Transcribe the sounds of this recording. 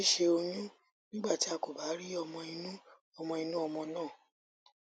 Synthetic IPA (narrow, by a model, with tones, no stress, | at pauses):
i˦ʃe˧o˧jũ˦ | nĩ˦ɡ͡ba˦˨ti˨˦a˧ko˨ba˨˦ɾi˦ɔ˧mɔ̃˧i˧nũ˦ | ɔ˧mɔ̃˧i˧nũ˦ɔ˧mɔ̃˧nãː˦˨